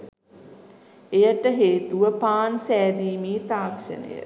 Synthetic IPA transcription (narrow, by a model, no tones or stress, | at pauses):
ejəʈəɦeːt̪uʋəpaːnsæːd̪iːmiːt̪aːkʂə̰nə̰jə̰